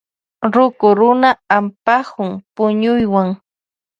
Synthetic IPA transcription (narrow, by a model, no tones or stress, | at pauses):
ɾʊkʊɾʊnaampahʊŋpʊɲʊjwaŋ